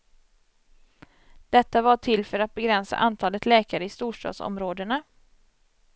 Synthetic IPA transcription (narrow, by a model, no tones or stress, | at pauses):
d̪̥ɛt̪ːavaʈʰɪlfœɾat̪̚bɛɡɾɛnsa̰ʔant̪ʰɑːlət̪lɛːkaɾəɪst̪uːʂʈɑ̰ːd̪sɔ̰mɾoːd̪əna